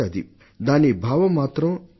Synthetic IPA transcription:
aːd̪ḭ | d̪aːnibʱaːʋɐmːaːt̪ɾɐm

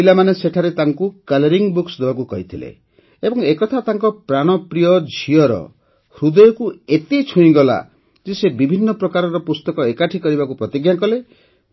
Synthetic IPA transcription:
ilamaneseʈʰaɾet̪aŋkukalɔɾiŋbuksd̪ebakukɔɦit̪ʰilḛ | ebɔŋekɔt̪ʰat̪aŋkɔpɾaɽ̃ɔpɾijɔd͡ʒʱijɔɾɔ̰ | hɾud̪ɔjɔkuet̪it͡ʃʰuĩɡɔla̰ | d͡ʒesebibʱinːɔpɾɔkaɾɔɾɔpust̪ɔkɔekaʈʰikɔɾibakupɾɔt̪iɡjakɔle

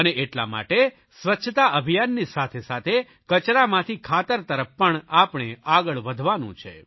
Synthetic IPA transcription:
əneʔeʈla̰ma̰ʈe | sʋətːʃʰt̪aʔəbʱijanːisat̪ʰesat̪ʰe | kət͡ʃɾamãt̪ʰikʰat̪əɾt̪əɾəfpəɳapɳ̃eaɡəɭʋəd̪ʱʋanṵ̃t͡ʃʰḛ

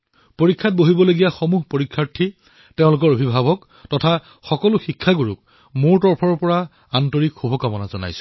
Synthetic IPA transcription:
poɹikʰːat̚boɦibɔloɡijaxomuɦpoɹikʰːaɹtʰi | teʊ̃lʊk̬ɔɹobʱibʱabɔk | tɔtʰa | xɔkɔlʊxikʰːaɡuɹuk̚ | moɹtɔɹpʰɔɹɔpɔɹa | antɔɹikxubʱɔkamɔnazɔna̰jsʊ̥

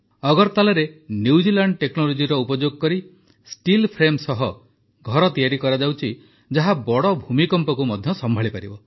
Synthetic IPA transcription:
ɔɡɔɾt̪alɔɾenjud͡ʒilaɳɖʈeknɔlod͡ʒiɾɔupɔd͡ʒoɡɔkɔɾi | sʈilpʰɾemsɔɦɔ | ɡʱɔɾɔt̪ijaɾikɔɾad͡ʒawt͡ʃʰi | d͡ʒaɦabɔɽɔbʱumikɔmpɔkumɔd̪ʱjɔsɔmbʱaɭipaɾibɔ

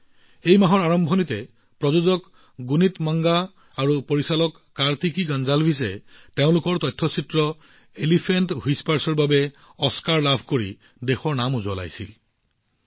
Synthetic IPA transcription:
ejmaɦɔɹaɹɔmbʱɔnitɛ | pɹɔzuzɔk | ɡunitmaŋɡaː | ɹupoɹisalɔkːaɹt̪ʰikiɡanzalbʱis̬ɛ̰teʊ̃lʊkɔɹtɔjtʰːɔsitɹɔ | elipʰentɦispaɹsɔɹbabɛ | ɔskaɹlabʱkoɹḭ | dexɔɹnamuzɔla̰jsḭl

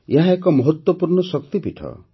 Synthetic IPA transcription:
eɦãekɔmɔɦɔt̪wɔpuɾɳɔsɔk̚t̪ipiʈʰɔ̰

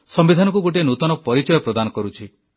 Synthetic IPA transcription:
sɔmbid̪ʱanɔŋkuɡoʈ̬ienut̪ɔnɔpɔɾit͡ʃɔjɔpɾɔd̪anɔkɔɾut͡ʃʰi

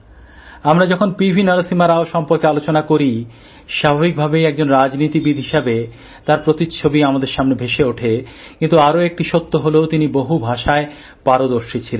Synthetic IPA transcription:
amɾad͡ʑɔkʰonpibʱinaɾasimaɾaoʃɔmpoɾkealot͡ɕonakoɾi | ʃabʱabik̚bʱabejɛk̚d͡ʑonɾad͡ʑnit̪ibid̪ʱɦiʃabe | t̪aɾpɾot̪itt͡ɕʰobiamad̪eɾʃamnebʱeʃeoʈʰekint̪uaɾoek̚ʈiʃot̪ːoɦoleot̪iniboɦubʱaʃae | paɾod̪oɾʃit͡ɕʰilen

